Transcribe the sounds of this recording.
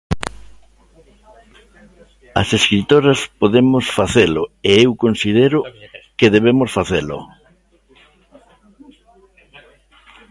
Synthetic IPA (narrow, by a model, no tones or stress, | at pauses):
ɐ̰seskɾit̪oɾɐspoðemʊsfaθelʊeewkonsið̞eɾʊkeðeβ̞emʊsfaθelʊ̰